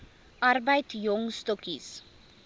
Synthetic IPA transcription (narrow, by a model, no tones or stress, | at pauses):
ɐɾbajtjɔŋstɔkis